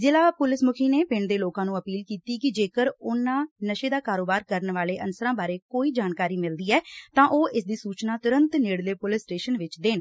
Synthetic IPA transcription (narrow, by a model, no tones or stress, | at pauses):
zɪlaːpʊlɪsmʊkʰiːneːpɪɳɖd̪eːloːkãːnũːəpiːlkiːt̪iːkɪd͡ʒeːkəɾʊnãːnəʃeːd̪aːkaːɾoːbaːɾkəɾnʋaːleːʔənsəɾãːbaːɾeːkoːiːd͡ʒaːnkaːɾiːmɪld̪iːɛːt̪ãːʔoːʔɪsd̪iːsuːt͡ʃnaːt̪ʊɾə̃nt̪nɪːɽleːpʊlɪsʈeːʃənʋɪt͡ʃd̪eːn